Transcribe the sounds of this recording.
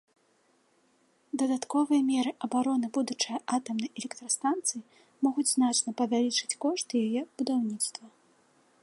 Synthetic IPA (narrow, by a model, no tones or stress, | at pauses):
d̪ɐd̪at̪kɔvɨjɐmʲɛɾɨʔɐbaɾɔn̪ɨbud̪ut͡ʂɨjɐʔat̪ɐmnɐjɛlʲɛkt̪ɾɐst̪ant̪sɨji | mɔɣud͡zʲznat͡ʂnɐpɐvʲalʲit͡ʂɨ̥t͡sʲkɔʂt̪jajɛb̥ud̪awnʲit̪st̪vɐ